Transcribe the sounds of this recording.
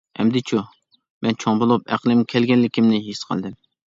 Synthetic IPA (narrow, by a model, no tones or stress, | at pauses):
ɛ̰md̪ɪt͡ʃʰu | mɛnt͡ʃʰoŋbolˠupæ̰qlˠɪmkʲʰɛlɡʲɛnlːɪkʲimnɪɦisqʰə̰lˠd̪ɪm